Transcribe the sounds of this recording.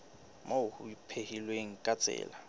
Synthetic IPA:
maʊhʊipʰehilweŋ̩kʼat͡sʼɛ̰ːla

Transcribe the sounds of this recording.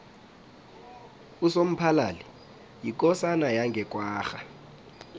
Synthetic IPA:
usom̩pʰalaːli | jikʼɔsanajaŋɡʱɛkʼwaːxa

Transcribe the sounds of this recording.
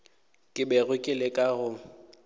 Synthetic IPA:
kʼɪbɛɣʊkʼɪlɪkʼaɣʊ

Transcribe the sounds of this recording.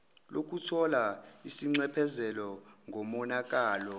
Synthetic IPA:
lok̬ʼutʰɔlaisiŋ͡ǀɛpʰɛzɛlɔ | ŋʱɔmɔnak̬ʼaːlɔ

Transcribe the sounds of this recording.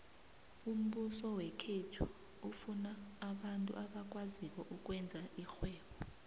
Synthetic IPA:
um̩ɓusɔwɛkʰetʰu | ufunaːɓantʼṵʔaɓak̬ʼwaziwɔʔuk̬ʼwɛnd͡zʱaʔixwɛːɓɔ

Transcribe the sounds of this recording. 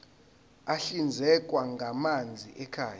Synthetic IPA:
aɬind͡zʱɛkʼwaŋɡʱamand͡zʱiʔɛkʰaːja

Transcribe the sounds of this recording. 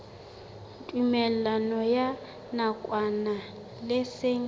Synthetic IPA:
tʼumɛllanɔja | nakʼwana | lɪseŋ

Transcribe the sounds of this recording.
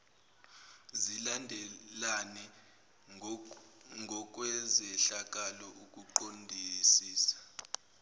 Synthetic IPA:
zilandʱɛlanɛ | ŋʱɔk̬ʼwɛzɛɬak̬ʼalɔʔukʼuǃondʱisiːsḁ

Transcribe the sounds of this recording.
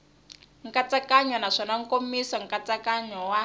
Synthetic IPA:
ŋ̩kat͡sakaɲɔnaʂɔnaŋ̩komisaŋ̩kat͡sakaɲɔwa

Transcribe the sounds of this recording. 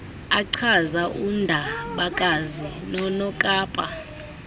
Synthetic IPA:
aǀʰazaʔundʱaɓakʼazinɔnɔkʼaːpʼa

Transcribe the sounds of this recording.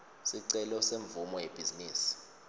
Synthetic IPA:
siǀɛlɔseɱvumɔjeb̥ʱiziniːsi̥

